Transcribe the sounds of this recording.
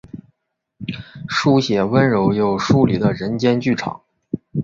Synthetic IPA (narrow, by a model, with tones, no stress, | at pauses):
ʂu˥ɕjɛ˨˩wə˥nɻo˧˥ʊjo˧˩ʊʂu˥li˨˩d̪ə˦ɻə˧˥nt͡ɕjɛ˥nt͡ɕy˥˩ʈ͡ʂʰɑ̰˨˩˦ŋ